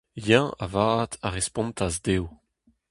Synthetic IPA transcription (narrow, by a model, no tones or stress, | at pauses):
jãa̰vaːt̪ʰaʁespɔ̃mt̪azdew